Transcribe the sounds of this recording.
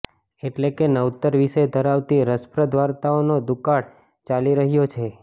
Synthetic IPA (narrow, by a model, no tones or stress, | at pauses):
eʈlekenəut̪əɾʋiʃed̪ʱəɾaʋt̪iɾəspɾəd̪ʱʋaɾt̪aonod̪ukaɽ | t͡ʃaliɾəɦjot͡ʃʰe